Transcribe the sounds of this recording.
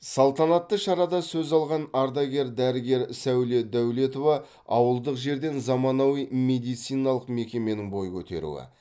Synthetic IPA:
sɑlˠt̪ɑnɑt̪ːəʃɑɾɑd̪ɑsɵzɑlˠʁɑnɑɾd̪ɑɡʲe̞ɾd̪æɾɪɡʲe̞ɾsæwle̞d̪æwle̞t̪o̞vɑ | ɑ̰wəlˠd̪əqʒe̞ɾd̪e̞nzɑmɑnɑwijmed̪ijt̪sijnɑlˠəqme̞kʲe̞me̞nɪŋbo̞jkʲʰɵt̪e̞̰ɾṵwɪ̰

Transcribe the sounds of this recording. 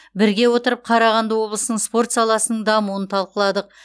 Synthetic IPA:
bɪɾɡʲe̞wo̞t̪əɾəp̚qʰɑɾɑʁɑnd̪awo̞blˠəsnəɴspo̞rt̪sɑlˠɑsənəɴd̪ɑmuənt̪ʰɑlˠqəlˠɑd̪əq̚

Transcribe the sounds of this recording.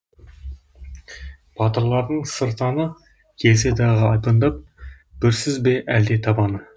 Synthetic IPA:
b̥ɑt̪əɾlˠɑɾd̪əɴsəɾt̪ɑnə | kʲʰe̞ls̬ɪd̪ɑʁəɑjpənd̪ɑp̚ | b̥ʏɾsɪzbe̞ʔæld̪e̞t̪ʰɑbɑnə

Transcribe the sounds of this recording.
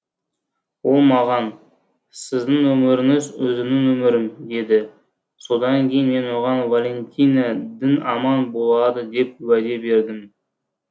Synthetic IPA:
wo̞lˠmɑʁɑn | sɪzd̪ɪŋwɵmɪɾɪŋɪzɵzɪnɪŋwɵmɪɾɪmd̪e̞d̪ɪ | so̞d̪ɑŋkʲʰe̞jɪnme̞nwoʁɑnvalʲe̞nʲt̪ʲijnad̪ɪnɑmɑnbo̞lˠɑd̪əd̪e̞p̚wæd̪e̞be̞ɾd̪ɪm

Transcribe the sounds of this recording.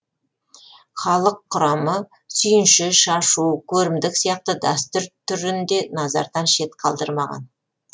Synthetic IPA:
χɑlˠəqʰːʊɾɑmə | sʏjɪnʃɪʃɑʃukʲʰɵɾɪmd̪ɪksijɑq̚t̪əd̪ɑst̪ʏɾt̪ʰʏɾɪnd̪e̞nɑzɑ̰ɾd̪ɑnʃe̞t̪qʰɑlˠd̪əɾmɑʁɑ̰n

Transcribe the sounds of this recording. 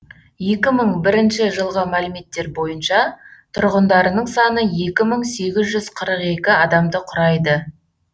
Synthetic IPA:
je̞kʲɪməɴbɪɾɪnʃɪʒəlˠʁəmælɪme̞t̪ːe̞ɾbo̞jənʃɑt̪ʰʊɾʁənd̪ɑɾənəɴsɑnəje̞kʲɪməɴse̞ɡʲɪzʒʏzqʰəɾəqe̞kʲɪɑd̪ɑmd̪əqʰʊɾɑjd̪ə

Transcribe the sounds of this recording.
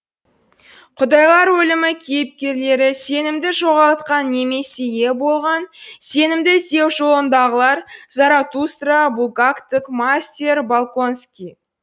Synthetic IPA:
qʰʊd̪ɑjlˠɑɾwɵlɪmɪkʲʰejɪp̚kʲe̞ɾle̞ɾɪse̞nɪmd̪ɪʒo̞ʁɑlˠt̪qɑnːe̞me̞se̞je̞bo̞lˠʁɑnse̞nɪmd̪ɪsewʒo̞lˠənd̪ɑʁəlˠɑɾzɑɾat̪ust̪ɾabulˠɡakt̪ɪkmasʲt̪ʲeɾbalˠko̞nskʲi

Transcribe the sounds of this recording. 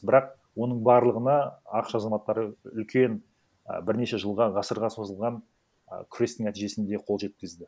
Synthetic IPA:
bɪɾɑq | wo̞nəɴbɑɾlˠəʁənɑɑqə̥ʃɑzɑmɑt̪ːɑɾəʏlkʲe̞n̰ | bɪɾne̞ʃe̞ʒəlˠʁɑʁɑsəɾʁɑso̞zəlˠʁɑn | kʲʰɾest̪ːɪŋnæt̪iʒe̞sɪnd̪e̞qʰo̞lˠʒe̞t̪̚kʲɪzd̪ɪ

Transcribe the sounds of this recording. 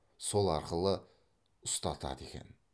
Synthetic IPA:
so̞lˠɑɾqəlˠə | ʊst̪ɑt̪ɑ̰d̪e̞kʲe̞̰n

